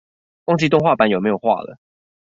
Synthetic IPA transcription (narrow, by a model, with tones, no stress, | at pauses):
wɑ˥ŋt͡ɕi˥t̪ʊ˥˧ŋxwa˥˨˩pa˧˦njo˨˩me˧˥jo˨˩xwa̰˥˩lə̰˩